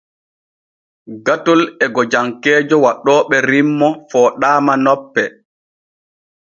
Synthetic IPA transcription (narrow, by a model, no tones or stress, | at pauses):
ɡatɔlɛɡɔd͡ʒaŋkɛːd͡ʒɔwaɗɔːɓɛɾimːɔfɔːɗaːmanɔpːɛ